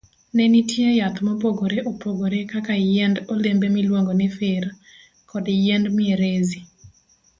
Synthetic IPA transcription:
nɛnitjejat̪mɔpoɡoɾeʔopoɡoɾekakajɛndolembemilwoŋɡonɪfɪɾ | kʰɔdjɛndmɪeɾezi

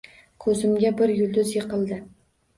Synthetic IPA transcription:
kʰɵzɪmɡʲabɪɾjʊlˠd̪ʊzjeqɨlˠd̪ɪ

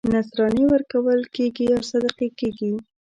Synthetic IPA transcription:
nasɾɑnewəɾkawəlkeɡiawsad̪aqekeɡi

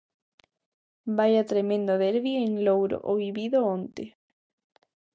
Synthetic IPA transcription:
bajat̪ɾemẽnd̪oðeɾβieŋlowɾo̰ʔoβiβiðoõnt̪e

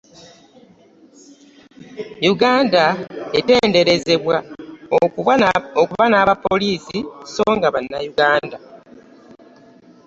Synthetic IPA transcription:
juɡaːndaete̞ːnde̞ɾe̞ze̞βwao | okuβanaːβapːoliːsiso̞ːŋɡaβanːajuɡaːnda

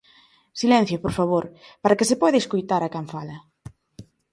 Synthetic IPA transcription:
silɛ̃n̟θjopoɾfaβ̞oɾpaɾakesepɔðeskojt̪aɾakaɱfalɐ

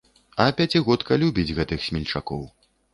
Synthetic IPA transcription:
ɐpʲat͡sʲiɣɔt̪kɐlʲubʲid͡zʲɣɛt̪ɨxsʲmʲilʲt͡ʂakɔw

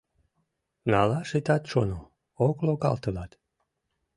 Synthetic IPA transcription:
nɑlɑʃit̪ɑt̪ʃono | oklokɑ̰lt̪əlɑt̪

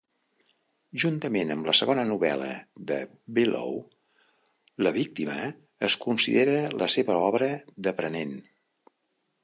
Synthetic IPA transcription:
ʒunt̪əmenəmləsəɣonənuβɛ̰lə̰ðə | bilo̰w | ləβ̞ik̚t̪iməː | skunsḭðeɾələseβəɔβɾəðəpɾənen

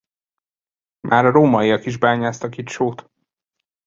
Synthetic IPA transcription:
mʔaːɾɒɾoːmɒiɒkiʒbaːɲaːst̪ɒkit̪ʃoːt̪

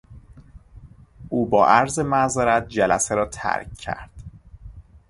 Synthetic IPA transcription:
ʔuːbɒːʔæɾzemæzeɾæt̪̚d͡ʒælæ̰seɾɒːt̪ʰæ̰ɾcʰːæ̰ɾd̪̥

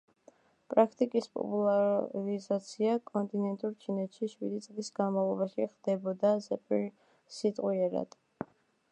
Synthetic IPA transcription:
pʼɾakʰt̪ʼikʼispʼɔ̰pʼulˠaɾizat̪sʰiakʼɔnt̪ʼinɛnt̪ʼuɾt͡ʃʰinɛt̪ʃiʃwid̪it̪sʼlisɡanmavlˠɔbaʃiχd̪̥ɛbɔd̪azɛpʼiɾ | sit̪ʼqʼwiɛɾa̰d̪̥

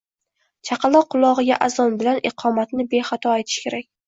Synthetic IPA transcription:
t͡ʃʰɑqʰɑlˠɒqʰʊlˠɒʁɨɡʲa̰ʔazɒnbɪlanʔɪqʰɒmat̪nɪbe̞χat̪ʰɒet̪ʰɪ̥ʃkʲʰe̞ɾakʲ

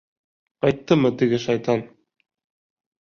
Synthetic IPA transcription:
qɑjt̪ːɤmɤt̪ɘ̆ɡɘʃɑjt̪ɑn

